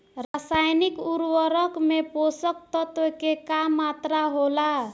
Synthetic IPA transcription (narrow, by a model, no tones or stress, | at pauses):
rasajnikuɾwʌɾʌkmeposʌk̚t̪ʌt̪wekekamːat̪ɾaɦola